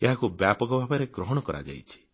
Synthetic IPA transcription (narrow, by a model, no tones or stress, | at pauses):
eɦakubjapɔɡɔbʱabaɾeɡɾɔɦɔɽ̃ɔkɔɾa̰d͡ʒa̰jt͡ʃʰi̥